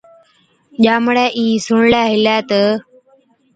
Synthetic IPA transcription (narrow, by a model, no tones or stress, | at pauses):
ʄaːmɽɛːʔĩːsʊɳlɛːɦɪlɛːt̪ə